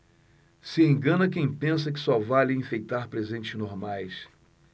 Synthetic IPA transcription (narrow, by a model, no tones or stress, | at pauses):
sɪẽŋɡɐ̃nɐkẽj̃pẽs̬ɐkɪ̥sɔvalɪĩfejt̪aɾpɾezẽnt͡ʃɪʒnoɾmajs